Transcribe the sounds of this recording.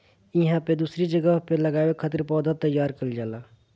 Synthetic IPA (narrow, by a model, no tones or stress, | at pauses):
iɦãped̪usɾid͡ʒəɡəɦpeləɡaːbekʰət̪ɾpɔd̪ʱət̪ːəjːaɾkəld͡ʒala